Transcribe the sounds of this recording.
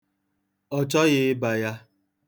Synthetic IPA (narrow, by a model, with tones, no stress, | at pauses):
ɔ˨t͡ʃɔ˦ɣɪ˦ɪ˦ba˨ja˦